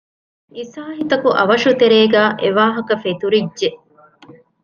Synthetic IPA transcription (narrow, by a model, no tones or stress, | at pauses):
isaːɦit̪ɐkuʔɐʋɐʃut̪eɾeːɡæːʔeʋaːɦɐkɐfet̪uɾidʒe